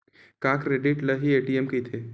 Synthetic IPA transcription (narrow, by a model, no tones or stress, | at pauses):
kãːkɾeɖiʈləɦieːʈiemket̪ʰeː